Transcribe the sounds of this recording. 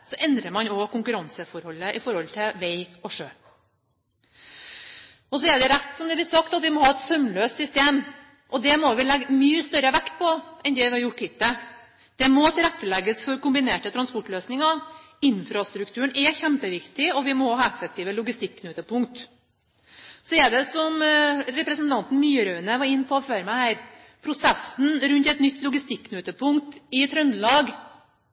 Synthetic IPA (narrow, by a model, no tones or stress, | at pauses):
sɔʔɛnd̪ɾəmɑnɔkʊŋkʉɾɑnsəfɔɾhɔlːəʔɪfɔɾhɔlt̪ʰɪlʋɛɪɔʂøː | ɔsɔɛɖ̪ɛɾæt̪ːsɔmd̪ɛblɪsɑkt̪ɑt̪ʋɪmɔhɑːɛt̪sœmløːst̪sʏst̪eːm | ʔɔd̪ɛmɔʋɪlɛɡːmyːəst̪œɾəʋækt̪̚pʰɔʔɛnd̪ɛʋɪhɑɾjʊʈːhɪt̪ːə | d̪̥ɛmɔt̪ʰɪlɛt̪ːəlɛɡːəsfɔɾkʊmbɪneːʈət̪ʰɾɑnspɔʈløːsnɪŋɑ | ɪnfɾɑst̪ɾʉkt̪ʰʉːəɳʔɛçɛmpəʋɪkt̪ɪɔʋɪmɔhɑːɛfːək̚t̪ʰiːʋəlʊɡɪst̪ɪkːnøːt̪əpʰʊŋkt̪ | sɔɛɖɛsɔmɾɛpɾɛsnt̪ʰɑnt̪n̩myːɾœːənəʋɑɾɪnːpʰɔɔføːɾəmæɪhæɪɾ | pʰɾʊsɛsn̩ɾʉnt̪ɛt̪nʏt̪ʰːlʊɡɪst̪ɪkːnøːt̪əpʰʊŋkt̪ɪt̪ʰɾœnd̪əlɑːɡ